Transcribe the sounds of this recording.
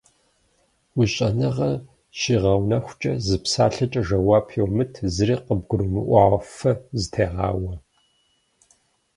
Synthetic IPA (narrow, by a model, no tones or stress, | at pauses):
wʷʊɕʼɐnɨʁɐ | ʃiːʁɐwnɐxʷʊt͡ʃʼɐzɨpsaːɬɐt͡ʃʼɐʒɐwaːpʰjowmɨtʰzɨɾiːqəb̚ɡʷʊɾɨmɨʔʷɑʁɐfɐzɨtʰeːʁɑ̰ːwɐ